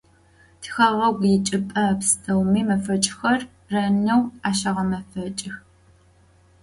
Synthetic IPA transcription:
tʰxɐʁɐɡʷjɪt͡ʃʼɪpʼɐpstʰɐwmiːmɐfɐt͡ʃʼxɐr | rɐnɐwaːʃɐʁɐmɐfɐt͡ʃʼɪx

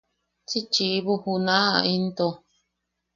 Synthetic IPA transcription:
t͡ʃit͡ʃiβuhunãa̰int̪o

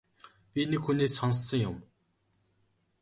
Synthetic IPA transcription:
pʲinekxuneːsːɔnsːɞ̆ŋjʊm

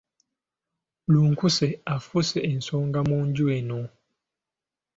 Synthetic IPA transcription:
luŋ̩kusɛafusɛɛn̩sɔŋɡamɔnd͡ʒuɛnɔ

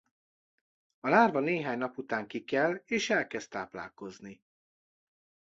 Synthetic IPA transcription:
ɒlaːrvɒneːɦaːɲnɒput̪aːŋkikɛleːʃɛlkɛst̪aːpla̰ːlko̞zni

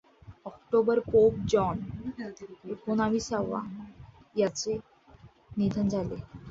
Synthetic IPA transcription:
ɔkʈobəɾpok̚d͡ʑɔn | ekonamisaʋa̰ | jat͡se | nid̪ʱənd͡zalḛ

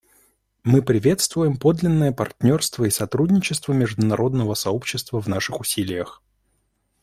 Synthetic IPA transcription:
mɨpɾʲɪvʲe̞t̪st̪vʊjɪmpo̞d̪lʲɪnːəjəpɐ̰rtʲnʲo̞rst̪vəisɐt̪ɾudʲnʲɪt͡ɕɪst̪vəmʲɪʐd̪ʊnɐɾʔo̞d̪nəvəsɐopɕːɪst̪vəvnaʂɨxʊsʲilʲɪjəx

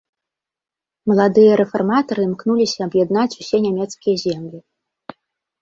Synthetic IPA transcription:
mɐlˠad̪ɨjɐɾɛfarmat̪ɐɾɨmknulʲisʲɐːbjɛd̪nat͡sʲusʲɛnʲamʲɛt̪skʲijɐzʲɛmlʲi

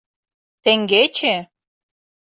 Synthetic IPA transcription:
t̪ĕŋɡet͡ɕe

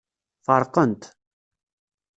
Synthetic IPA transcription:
fɑɾˤqənt̪

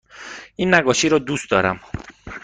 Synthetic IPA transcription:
iːnːæɡɔːʃiːɾɔːd̪uːst̪̚d̪ɒːɾæ̰m

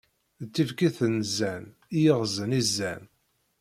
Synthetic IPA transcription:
t͡s̪ːifkiθənzːæn | ijəʁzənizːæn

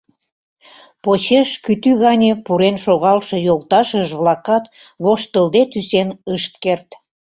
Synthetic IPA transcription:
pot͡ɕeʃkyt̪yɣɑnʲepuɾenʃoɣɑlʃɤ̆jolt̪ɑʃəʒβlɑkɑt̪ | βoʃt̪əld̪et̪ysenəʃt̪̚kert̪

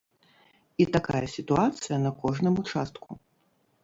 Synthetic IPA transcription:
it̪akajɐsʲit̪uat̪sɨjɐnɐkɔʐnɨmut͡ʂast̪ku

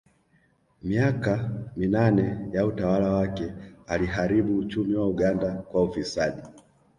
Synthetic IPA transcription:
miakaminanɛjautawalawakɛaliɦaɾiɓuːt͡ʃumiwauɠandakwaufisaɗi

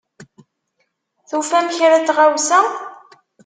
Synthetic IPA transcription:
θufæmçɾæt͡sːʁawsæ

